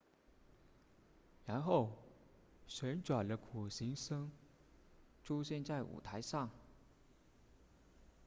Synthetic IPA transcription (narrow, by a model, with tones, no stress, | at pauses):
ɻa˧˥nxo˥˩ʊ | ɕɥɛ˧˥nʈ͡ʂwa˨˩nlə˦kʰu˨˩ɕi˧˥ŋʂɤ˥ŋ | ʈ͡ʂʰu˥ɕjɛ˥˧nt͡sa˥˩ɪʔṵ˨˩t̪ʰa˧˥ɪʂɑ˥˩ŋ